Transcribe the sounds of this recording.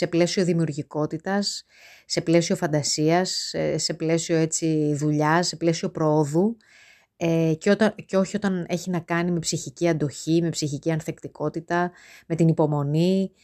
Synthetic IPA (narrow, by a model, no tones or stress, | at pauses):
se̞ple̞sio̞ðimiuɾʝiko̞t̪it̪ɐsː | e̞ple̞sio̞fɐnd̪ɐsiɐsesːe̞ple̞sio̞e̞t͡siðuʎɐse̞ple̞sio̞pɾooðu | ecot̪ceo̞çio̞t̪ɐne̞çinɐkɐnime̞psiçiciɐnd̪o̞çime̞psiçiciɐnθe̞kt̪iko̞t̪it̪ɐ | me̞t̪inipo̞mo̞ni